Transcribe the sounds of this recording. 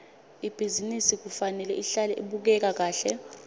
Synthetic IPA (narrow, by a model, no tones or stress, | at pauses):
ib̥ʱizinisik̬ufanɛlɛʔiɬalɛʔiɓuk̬ɛk̬ak̬aːɬɛ